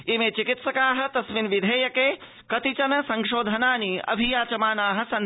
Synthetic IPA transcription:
imeːt͡ʃikit̪sɐkaːɦɐt̪ɐsminʋid̪ʱeːjɐkeː | kɐt̪it͡ʃɐnɐsɐŋʃoːd̪ʱɐnaːniɐ̰bʱijaːt͡ʃɐmaːnaːɦɐ̆sɐn

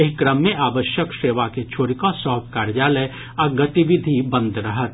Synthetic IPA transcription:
ekɾəmːẽʔaːʋəʃjəkʃeːʋaket͡ʃʰoːɾikõsɔːp̚kaːɾd͡ʒaːle | ɔɾɡət̪iʋɪd̪ʱibə̃nd̪ʱɾəɦət̪̚

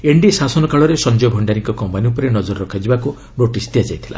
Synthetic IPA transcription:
eɳɖisasɔnɔkaɭɔɾesɔnd͡ʒɔjɔbʱɔɳɖaɾiŋkɔkɔmpaniupɔɾenɔd͡ʒɔɾɔɾɔkʰad͡ʒibaku | noʈisd̪ijad͡ʒajt̪ʰila̰

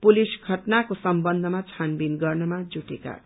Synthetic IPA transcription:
pulisɡʱʌʈnakosʌmbʌnd̪ʱʌmat͡sʰanbinɡʌrnʌmad͡zuʈeka̰

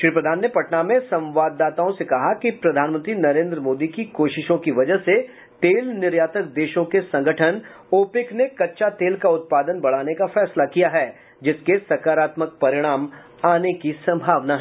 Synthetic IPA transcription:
ʃɾiːpɾəd̪ʱaːnːepɐʈnamẽsɐ̃mʋaːd̪ːaːt̪aõsekɐɦakipɾɐd̪ʱaːnmə̃nt̪ɾinɐɾẽːnd̪ɾəmoːd̪ikikoːʃɪʃõkiʋɐd͡ʒəɦse | t̪eːlnɪɾjaːt̪ək̚d̪eːʃõkesɐ̃ŋɡʱəʈʰən | oːpɪknekɐtːʃat̪eːlkaʊt̪̚paːd̪ənbɐɽ̤aːnekafɛːslakijaɦɛː | d͡ʒɪskesɐkaːɾaːt̪mək̚pɐɾɪɽ̃aːm | aːnekisɐ̃mbʱaːʋnaɦɛ

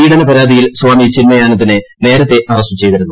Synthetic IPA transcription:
iːɽɐnɐpɐɾaːd̪ʱijilswaːmit͡ɕinmɐjaːnɐðinɨne̞ːɾɐt̪ːe̞ʔɐrɐsut͡ɕe̞jðɐɾunːu

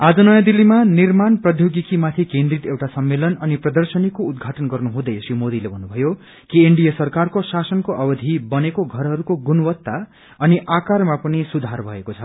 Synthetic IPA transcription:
ad͡zʌnʌjãd̪ilːimanirmanprʌd̪ʱjoɡikimat̪ʰikẽnd̪rit̪ewʈasʌmːelʌnʌniprʌd̪ʌrsʌnikːoud̪ɡʱaʈʌnɡʌrnuɦũd̪ʌjesimod̪ilebʱʌnːubʱʌjo | kieɳɖijesʌrkarkosasʌnkoʔʌbʌd̪ʱibʌnekoɡʱʌɾɦʌɾukoɡunwʌt̪ːa | ʌniʔakarmapʌnisud̪ʱarbʱʌekot͡sʰʌ

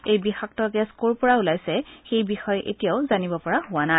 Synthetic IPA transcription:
ejbixak̚tɔɡɛskoɹpɔɹaulajsɛxejbixɔjʔḛtijaʊzanibɔpɔɹahʊwana

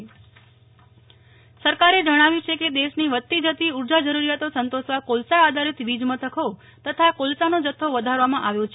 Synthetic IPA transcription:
səɾkaɾed͡ʒəɽ̃aʋjũt͡ʃʰeked̪eʃniʋət̪ːid͡ʒət̪iuɾd͡ʒad͡ʒəɾuɾijat̪osənt̪oʃʋakolsaːd̪ʱaɾɪt̪ʋid͡ʒmət̪ʰəkʰo | t̪ət̪ʰakolsanod͡ʒət̪ʰːoʋəd̪ʱaɾʋamãʔaʋjõt͡ʃʰ

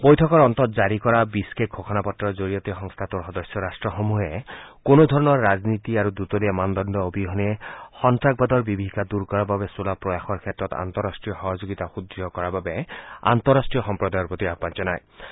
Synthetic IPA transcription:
bɔjtʰɔkɔɹɔnt̪ɔt̪d͡ʒaɾikɔɾabiskeɡʱokʰɔnapɔtːɔd͡ʒoɾijɔt̪ixɔŋst̪ʰat̪uɾxɔd̪ɔsjɔɾasʈɹɔxomuɦekonod̪ʱɔɹɔnɔɹːad͡ʒnit̪iaɾud̪ut̪ɔliemand̪ɔnd̪ɔobʱiɦɔniexɔntɾak̚bad̪ɔɹbibʱiɦikad̪uɾkɔɾababesulapɾɔjaxɔɹkʰet̪ːɾɔt̪a̰nt̪ɔɾasʈɹijɔxɔɦɔd͡ʒoɡit̪axud̪ɾiɔkɔɾababea̰nt̪ɔɾasʈɹijɔxɔmpɾɔd̪ajɔɹpɹot̪iapant͡ʃɔnaj

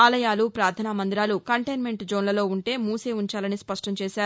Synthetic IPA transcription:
aːlɐjaːlupɾaːɾt̪ʰaːnamɐnd̪iɾaːlukɐɳʈɐjnme̞ɳʈd͡ʒo̞ːnlɐlo̞ːuɳʈe̞ːmuːseːuɲt͡ʃaːlɐnispɐʂʈɐmt͡ʃeːaːɾu

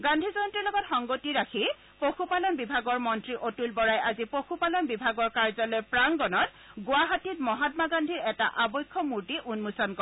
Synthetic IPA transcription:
ɡandʱizɔntɹilɔɡɔtxɔŋɡotiɹakʰi | poxʰupalɔnbibʱaɡɔɹmɔntɹiʔotulbɔɹajazipoxupalɔnbibʱaɡɔɹkaɹzɔlojpɹaŋɡɔnɔt | ɡʊaɦatitmɔɦatmaɡandʱiɹɛta̰ʔabɔjkʰːɔmuɹtiʔunmusɔnkɔ

